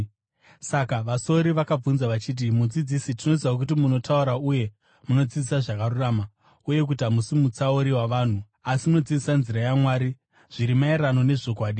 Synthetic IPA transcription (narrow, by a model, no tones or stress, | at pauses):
sakaʋaso̞ɾiʋakab͡vunzaʋat͡ʃiːt̬imud͡zid͡zisitinotiak̬ut̬imuno̞tʰauɾauje̞ | muno̞d͡zid͡zisaʐakaruraːma | uje̞k̬ut̬amusimut͡saoɾiwaʋaːn̤u | asimuno̞d͡zid͡zisanziɾajamwaːɾi | ʐ̥iɾimaerano̞ne̞ʐo̞kwaːɗi